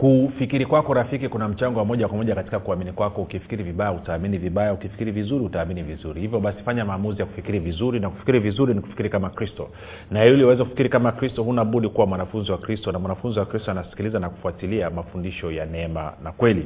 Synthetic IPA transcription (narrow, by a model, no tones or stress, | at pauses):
kufikiɾikwakɔɾafikikunam̩t͡ʃaŋɡɔwamɔʄakwamɔʄakati̥kakuaminikwakɔukifi̥kiɾiviɓajautaːminiviɓajaukifi̥kiɾivizuɾihutaːminivizuɾihivjɔɓasi̥faɲamaːmuzijaku̥fikiɾivizuɾinaku̥fi̥kiɾivizuɾiniku̥fi̥kiɾikamakɾistɔ̰ | naɛuliwɛzɛkufi̥kiɾikamakɾistɔhunaɓuɗikuwamwanafunziwakɾistɔnamwanafunziwakɾistɔanasi̥kilizanaku̥fuatiliamafundiʃɔjanɛɛma̰nakwɛli